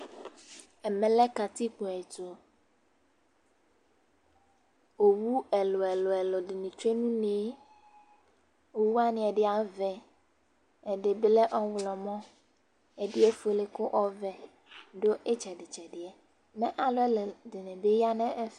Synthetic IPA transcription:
ɛ˨mɛ̃˨lɛ˦ka˨t̪i˦k͡pʊ˨ɛ˨to˨ | o˨wu˦ɛ˨lɔ˨ɛ˨lɔ˨ɛ˨lɔ˨dɪ˨nĩ˨t͡ʃe˦nũ˦neː˨˦ | o˨wu˦a˦nɪ̃˨ɛ˨ɖɪ˦a˨vɛ˨ | ɛ˨dɪ˨blɛ˦ʔɔ˦wlɔ˨mɔ̃˦ | ɛ˨dɪ˦ɛ˦fo˨lɪ˨kʊ˦ʔɔ˦vɛ˨ | ɖo˦ʔɛ˦t͡ʃɛ˨dɪ˨t͡ʃɛ˨dɪ˨ɛ˨ | mɛ̃˦ʔa˨lʊ˦ɛ˦ldɪ˨nɪ̃˨be˦ja˦nɛ̃˦ʔɛ˦f

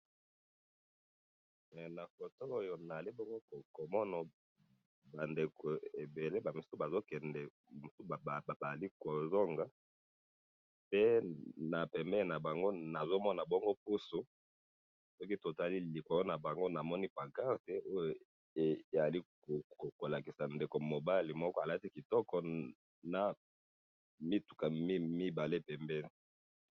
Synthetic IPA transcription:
ɛ˨na˨ko˨to˦o˦jo˨na˨li˦bɔ˦ŋɡo˦ko˨ko˨mɔ˦nɔ˨ | ba˨nde˨ko˨e˨be˨le˦ba˨mi˨su˦ba˨zo˦kɛ˨ndɛ˨ | mu˨su˦˨ba˨li˦ko˨zo˦ŋɡa˦ | pe˦na˨pɛ˨mbɛ˦le˨na˨ba˨ŋɡo˦na˨zo˦mɔ˦na˨bɔ˦ŋɡo˦pu˦so˦ | sɔ˦ki˦to˨za˨li˦li˨kɔ˨lɔ˦na˨ba˨ŋɡo˦na˨mɔ˦ni˦pa˨ɡa˦˨te˦ʔo˦jo˨ | e˨e˨za˨li˦˨ | ko˨ko˨la˨ki˨sa˨nde˨ko˨mo˨ba˦li˨mɔ˦kɔ˦a˨la˦ti˦ki˨tɔ˦kɔ˦ | na˨ | mi˦tu˨ka˨mi˦mi˦ba˨le˦pɛ˨mbɛ˦ni˨

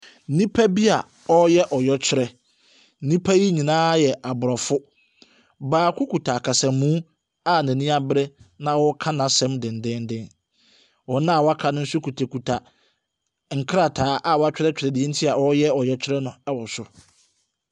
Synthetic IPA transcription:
nĩ˦pʰa˦bi˦a˨ | ɔ˦jɛ˦ʔɔ˨jɔ˦t͡ɕʰᶣɪ˦ɾɛ˦ | nĩ˦pʰa˦ji˦ɲĩ˨nãː˦jɛ˨ʔa˨bʊ˨ɾɔ˨fʊ˦ | baː˨kʰʷʊ˦ku˨tʰa˨kʰa˨sã˨˦mũ˦ | a˦næ̃˨nĩ˦a˦bɾɛ˦nã˨wɔ˦kʰã˦nã˨sɛ̃˦mdɪ̃˨n˨dɪ̃˦n˦dɪ̃˦n | wɔ˨nã˦˨wɔ˦a˦kʰa˦nʊ̃˦n̩˦sʊ˦kʰu˨tʰa˨kʰu˨tʰa˨ | ŋ̩˨kʰɾa˨tʰaː˨˦ʔa˦˨wɔ˨˦a˦t͡ɕᶣɪ˦ɾɛ˦t͡ɕᶣɾɛ˨dɪ˨ɛ˦n̩˦tʰi˦a˨wɔ˦jɛ˦ɔ˨jɔ˦t͡ɕʰᶣɪ˦ɾɛ˦nʊ̃˨ɛ˦wɔ˨sʊ˦

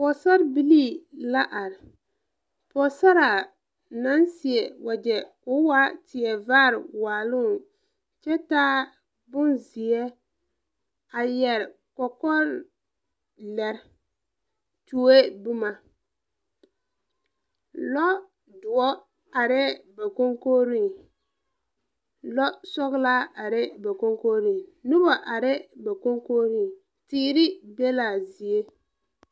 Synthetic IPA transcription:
pɔ˨sa˦ɾbi˦li˦˨la˦ʔa˨ɾɪ˨ | pɔ˨sa˦ɾa˨ | na˦nsɪ˨ɛ˨wʔa˨d͡ʒɛ˨kʊ˦wa˦tɪ˨ɛ˨vaː˦˨ɾwaː˨lʊ˦˨n | t͡ʃɛ˦taː˦ | bʊ˦nzɪ˨ɛ˦ | a˨jɛ˨ɾ | kɔ˨kɔ˦ɾ | lɛ˨ɾ | tu˨e˦bu˦ma˨ | lɔ˦ | dʊ˨ɔ˦ | a˨ɾɪ˦ba˨ko˦ŋko˦ɾi˦˨ | lɔ˦sɔ˦ɣla˦a˨ɾɪ˦ba˨ko˦ŋko˦ɾi˨nu˦bɔ˨ʔa˨ɾɪ˦ba˨ko˦ŋko˦ɾi˦˨ŋ | tiː˦ɾɪ˦be˦la˨zi˨e˦

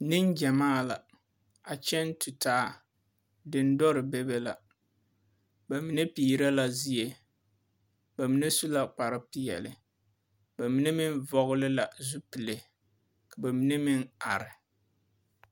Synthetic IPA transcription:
nɪ˦nd͡ʒɛ˨maː˦˨la̰˨ | a˨t͡ʃɛ˦n˦tʰu˨tʰaː˦ | dɪ˨˦n˦dɔ˦ɾɪ˨bɛ˦bɛ˦la̰˨ | ba˨mi˨ne˦piː˨ɾa˦la˨zi˦je˨ | ba˨mi˨˦ne˦su˦la˦k͡pa˨ɾɪ˦pi˦jɛ̰˨lɪ̰˨ | ba˨mi˨ne˦mɪ˦nvɔ˦ɣʊ˦lɪ˦la˨zu˦pi˨le˨ | ka˨ba˨mi˦ne˦mɪ˦na˨ɾɪ˨

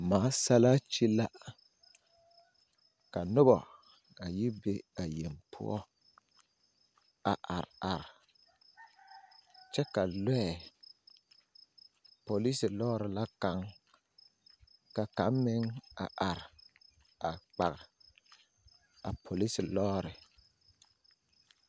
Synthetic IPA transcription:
maː˨˦sa˦laː˦t͡ʃi˦la˦ | ka˨nʊ˦bɔ˨ | a˨ji˦be˦a˨je˨mpʰʊ̰˦ɔ̰˦ | a˨ʔa˨ɾa˨ɾɪ˨ | t͡ʃɛ˦ka˨lɛ˦ɛ˨ | po˨li˦sɪ˨lɔː˦ɾɪ˨la˦ka˦ŋ | ka˨ka˨˦m˦mɪ˦ŋa̰˨ʔa˨ɾɪ˨ | a˨k͡pa˨ɣ | a˨pʰo˨li˦sɪ˨lɔː˦ɾɪ˨

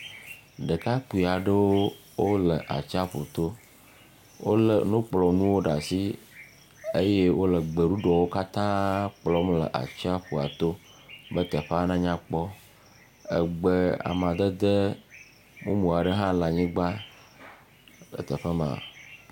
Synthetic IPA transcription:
ɖə˨ka˦k͡pu˨i˨a˨ɖə˦wo˦ | wo˦lə˨ʔa̰˨t͡ʃa˦ɸo˨t̪o˦ | wʔo˦lə˨nũ˦k͡plɔ˨nũ˦wo˦ɖa˨si˦ | e˦je˦wo˦lə˨ɡ͡be˨ɖu˦ɖɔ˨wo˦ka˦t̪ã˦k͡plɔ˨˦mlə̰˨ʔa̰˨t͡ʃi˦a˦ɸu˨a˨t̪o˦ | bə˦t̪ə˨ɸa˦nã˦ɲã˦k͡pɔ˦ | ə̰˦ɡ͡bə˦a̰˨m˨ã˨d̪ə˦d̪ə˦ | mõ̰˦mũ˨a˨ɖə˦ɦã˦la˨ɲĩ˦ɡ͡ba˦ | lə̰˨t̪ə˨ɸə˦mã̰˨

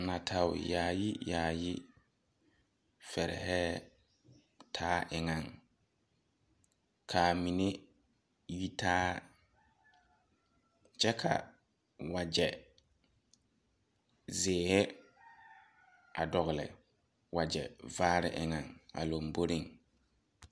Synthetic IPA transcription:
na˨tʰa˨wʊ˨jaː˨ji˦jaː˨ji˦ | fɛ˨ɾɛ̰˨ɦɛː˦ | tʰaː˦ʔɪ˨ŋa˨ŋ | kʰa˨mi˨ne˦ | ji˦tʰaː˦ | t͡ʃɛ˦kʰa̰˨ | wa˨d͡ʒɛ˨ | zɪː˨hɛ˦ | a˨dɔ˨ɣɪ˨lɪ̰˨ | wa˨d͡ʒɛ˨vaː˦ɾɪ̰˦ʔɪ˨ŋa˨ŋa̰˨lo˨mbo˦ɾi˦˨ŋ

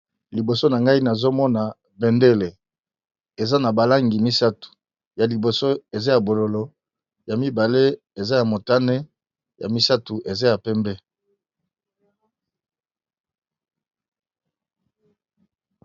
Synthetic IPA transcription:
li˨bo˨so˦na˨ŋɡa˦i˦na˨zo˦mɔ˦na˨ | bɛ˨nde˦le˨ | e˨za˦na˨ba˨la˦ŋɡi˨mi˦sa˦tu̥˨ | ja˨li˨bo˨so˦e˨za˦ja˨bo˨lo˨lo˨ | ja˨mi˦ba˨le˦ | e˨za˦ja˨mo˨ta˦ne˦ | ja̰˨mi˦sa˦tu˨ʔe˨za˦ja˨pɛ˦mbɛ˦

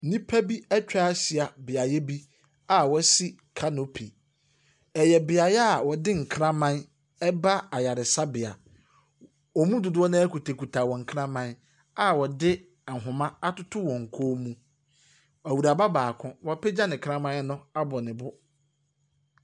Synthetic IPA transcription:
nĩ˦pʰæ˦bi˦ɛ˦t͡ɕᶣa˦si˨a˨bɪ˨a˨jɛ˦bi˦ | a˨wɔ˦si˦ | kʰa˦no˦pʰi˨ | ɛ˨jɛ˨bɪ˨a˨jɛ˦a˨wɔ˨dɪ˦ŋ̩˨kʰɾã˦mã˦n | ɛ˦ba˦a˨ja˨ɾɪ˨sa˦bɪ˨a˨ | ɔ˨mũ˦dʊ˨dʊ˦ɔ˦nã˦ɛ˦ku˨tʰe˨ku˨tʰa˨wɔ̃˨ŋ̩˨kʰã˦mã˦ | a˨wɔ˨dɪ˦˨ | ŋ̩˨ɦʊ̃˨mã˦a˦tʊ˦tʰʊ˦wɔ̃˨ŋ̩˨kʰoː˦mũ˦ | æ˨wu˨ɾa˨ba˦baː˨kʰʊ̃˦wɔ˦pʰɛ˦d͡ʑa˦nɪ̃˨kʰɾã˦mã˦nʊ̃˦a˦bɔ˨nɪ̃˨bʊ˦

